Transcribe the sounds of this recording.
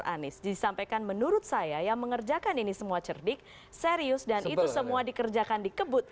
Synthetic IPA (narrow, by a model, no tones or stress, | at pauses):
ʔa̰nɪsiisampajkanmənuɾʊt̪̚sajajaŋməŋərd͡ʒakaninisəmuat͡ʃərdɪk̚ | seɾiʊsdanit̪usəmuadikərd͡ʒakandikəbʊt̪̚